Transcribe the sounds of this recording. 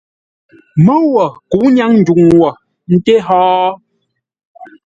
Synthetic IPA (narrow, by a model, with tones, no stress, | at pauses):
mə˦wɔ˨ku˨˦ɲa˦ŋn̩˨d͡ʒu˨ŋwɔ˨ | n̩˦te˦ɦɔː˦